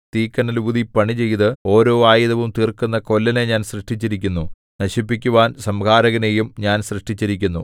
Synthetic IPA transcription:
t̪iːkːɐnɐluðipɐɳit͡ɕe̞jt̪ɨo̞ːɾo̞ːaːjiðɐʋumt̪iːrkunːɐko̞lːɐneɲaːnsrɨʂʈit͡ɕːiɾikʲːunːu | nɐɕipːikʲːuʋaːnsɐmkʰaːɾɐɣɐne̞jumɲaːnsrɨʂʈit͡ɕːiɾikʲːunːṵ

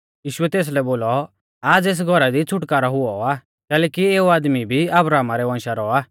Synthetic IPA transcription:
jiːʃʊɛt̪eːs̬lɛboːlɔ | aːd͡zeːs̬ɡʱɔɾad̪it͡sʰʊʈkaːɾaɦʊɔaː | kɛːlɛːkieːuaːd̪mibʱiɐbɾaːmaɾɛʋɐ̃ːnʃaɾɔaː

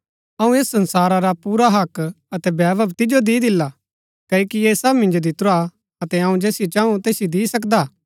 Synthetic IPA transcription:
ɐũeːsːɐ̃nsaːɾaɾapuːɾaɦɐk | ɐt̪ɛbɛːbɐbt̪ɪd͡ʒod̪iːd̪ɪlːa | kɐːoːkiesɐbmɪ̃nd͡ʒod̪ɪt̪ɾoa | ɐt̪ɛɐũd͡ʒɛːsɪjot͡ʃãːũt̪eːsɪjod̪iːsɐkd̪aː

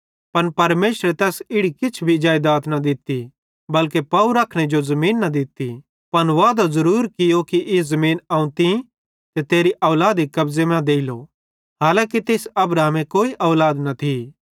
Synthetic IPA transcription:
pɐnpɐɾmeːʃɾet̪ɛːsɪɽikɪt͡ʃʰbʱid͡ʒaːjd̪aːt̪nɐd̪ɪt̪i | bɐlkepɐuɾakʰɽ̃ed͡ʒozɐmiːnːɐd̪ɪt̪i | pɐnʋaːd̪ozɐɾuːɾkɪjokiʔɪzɐmiːnaːũt̪i | t̪et̪eːɾiʔɐːlaːd̪ikɐbzemɛ̃d̪eːɪlo̰ | ɦaːlãːkit̪eːsɐbɾaːmẽkoːiʔɔːlaːd̪nɐt̪ʰi

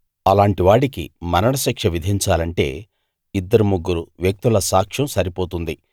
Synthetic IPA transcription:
ɐlaːɳʈiʋaːɽikḭmɐnɐɽɐʃɐkʂɐʋid̪ʱiɲt͡ʃaːlɐɳʈe̞̰ː | id̪ːɐɾumuɡːuɾuʋjɐk̚t̪ulɐsaːkʂɐmsɐɾipo̞ːt̪und̪i

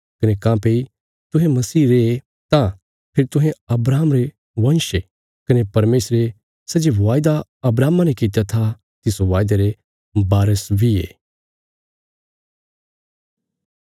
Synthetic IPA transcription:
kɐnekãːpeːi | t̪ʊɦẽmɐsiːɾee | t̪ã | pʰɪɾt̪ʊ̃ɦẽɐbɾaːmɾe | ʋɐ̃nʃe | kɐnepɐɾmeːsɾe | sɐd͡ʒeʋaːjd̪aɐbɾaːmãnɛkɪt̪̬jat̪ʰa | t̪ɪsoʋaːjd̪aɾe | baːɾəsbʱiḛː

